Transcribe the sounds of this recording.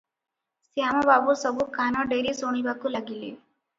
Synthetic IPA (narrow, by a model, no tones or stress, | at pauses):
sjaːmabaːbusəbʱukaːnaɖeːɾisoːɳ̃ibakulaɡilḛ